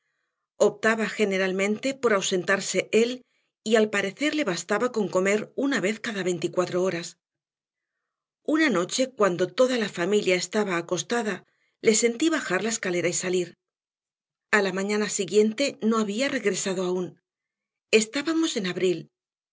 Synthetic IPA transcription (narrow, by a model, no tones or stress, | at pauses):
o̞p̚t̪aβaxe̞ne̞ɾalmẽ̞nt̪e̞po̞ɾawse̞nt̪aɾse̞ʔe̞l | ialpaɾe̞θe̞ɾle̞βast̪aβako̞ŋko̞me̞ɾunaβe̞θkaðaβe̞jnt̪ikwat̪ɾo̞o̞ɾas | unano̞t͡ʃe̞kwand̪o̞t̪o̞ðalafamiljae̞st̪aβaːko̞st̪aða | le̞se̞nt̪iβaxaɾlae̞skale̞ɾaisaliɾ | alamãɲãnasiɣje̞nt̪e̞no̞aβ̞iare̞ɣɾe̞saðo̞aun | e̞st̪aβamo̞se̞naβɾil